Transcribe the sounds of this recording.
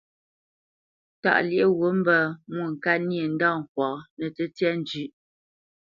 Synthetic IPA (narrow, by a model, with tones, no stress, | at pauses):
ta̰˨ʔlje˦˨ɣo˨˦m̩˦bə˦mwu˨ŋ̩˨ka˦nje˨n̩˦da˦˨ŋ̩˨k̚wɔ˨nə˨tə˦tjɛ˦n˦d͡ʒʉ˦ʔ